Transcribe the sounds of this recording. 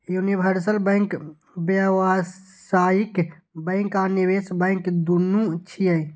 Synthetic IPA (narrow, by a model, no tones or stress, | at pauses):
junibʱəɾsəlbə̃ɪ̃ŋk | bəʋa | saːjik | bə̃ɪ̃ŋkaːniʋesbə̃ɪ̃ŋkd̪unũt͡ʃʰiəj